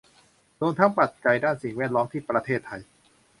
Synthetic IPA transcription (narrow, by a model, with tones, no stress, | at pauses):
doː˧nt̪ʰa˦˥ŋpa˨˩t̪̚ka˨˩jdaː˥˩nsi˨˩ŋwɛː˥˩t̪̚lɔː˦˥mt̪ʰiː˥˩pɾa˧t̪ʰeː˥˩t̪ʰːa˧j